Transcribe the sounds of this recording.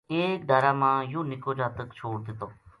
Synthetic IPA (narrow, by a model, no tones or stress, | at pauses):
eːk̚d̪əːɾaːmãːjũːnɪkoːd͡ʒaːt̪əkt͡ʃʰoːɽd̪ɪt̪oː